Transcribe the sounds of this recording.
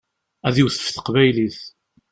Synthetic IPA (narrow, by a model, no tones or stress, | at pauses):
æðiwθə̥fθə̥qvæjliθ